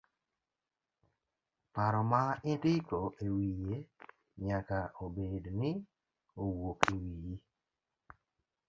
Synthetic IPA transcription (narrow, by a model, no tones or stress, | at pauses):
paɾɔmaɪdɪkoʔewije | ɲakaʔobednɪ | owokiwiji